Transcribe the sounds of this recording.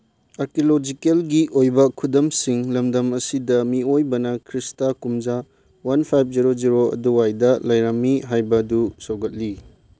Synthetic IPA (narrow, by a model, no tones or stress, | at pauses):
ɐɾkilod͡ʒikelɡiʔojbɐkʰudɐmsiŋlɐmdɐmɐsidɐmiojbɐnɐkʰɾistakumza | wanpʰajp̚ʰziɾod͡ʒiɾoɐ̰duwajdɐlɐjɾɐmːiɦajbɐdusawɡɐt̚li